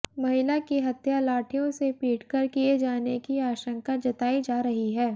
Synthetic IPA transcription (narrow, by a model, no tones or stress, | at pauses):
mɐɦɪlakiɦɐt̪jalaːʈʰijõsepiːʈkɐɾkied͡ʒaːnekiaːʃə̃ŋkad͡ʒɐt̪aːid͡ʒaːɾɐɦiɦɛː